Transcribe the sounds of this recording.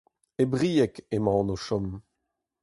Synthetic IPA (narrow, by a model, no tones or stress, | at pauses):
ebʁiːɛkemɑ̃ːnoʃɔm